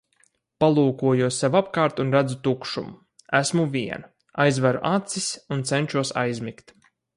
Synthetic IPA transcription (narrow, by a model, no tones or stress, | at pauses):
palˠuːkuɔjuɔsːɛvapkaːɾt̪unɾæd̪zut̪ukʃṵm | æsmuvʲiɛna | ajzvæɾṵʔat̪sisunt̪sɛnʲʃuɔsa̰jzʲmʲikt̪